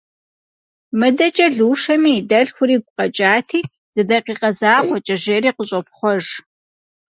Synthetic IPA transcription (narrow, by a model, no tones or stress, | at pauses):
mɨdɐt͡ʃʼɐɮuːʂɐmiːdɐɮxʷʊɾiːɡʷʊqɐt͡ʃʼaːtʰiː | z̥ɨdɐqiːqɐzaːχʷɔt͡ʃʼɐʒeːɾiːqʷʊɕʼɐp̚χʷɔʐ